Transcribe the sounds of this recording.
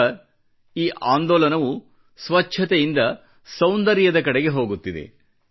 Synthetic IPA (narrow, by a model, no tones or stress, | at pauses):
iːʔaːnd̪ɔːlɐnɐʋu | sʋɐt͡ʃːʃʰɐt̪ejind̪ɐ | sɐwnd̪ɐɾjɐd̪ɐkɐɽeɡe̞ɦo̞ːɡut̪ːid̪e̞̰